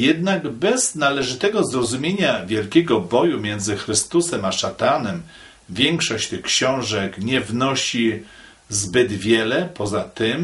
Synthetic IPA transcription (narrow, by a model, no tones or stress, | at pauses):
jɛd̪naɡbɛz̥nalɛʐɘt̪ɛɡɔzɾɔzumʲjeɲavʲjɛlkʲɛɡɔbɔjumʲjɛnd̪zɘxɾɘst̪usɛmaʂat̪anɛm | vʲjɛŋkʂɔɕt͡ɕt̪ɘxkɕɔ̃w̃ʐɛkɲɛvnɔɕi | zbɘd̪vʲjɛlɛpʰɔzat̪ɘm